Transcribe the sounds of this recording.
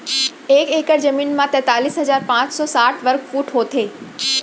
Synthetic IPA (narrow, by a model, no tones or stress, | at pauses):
eːkeːkəɾd͡ʑɐmiːnmãt̪ɛ̃ːt̪aːliːsɦɐzaːɾpãːt͡ɕsɔːsaːʈʰʋɐɾkfuːʈɦoːt̪ʰeː